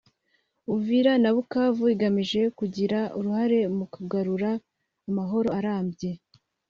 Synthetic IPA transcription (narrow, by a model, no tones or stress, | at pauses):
uviɾanaβukaːvuiɡamiʒe̞kuɟiɾauɾuhaɾe̞mukuɡaɾuɾaː | maɦo̞ɾo̞aɾaːmbje̞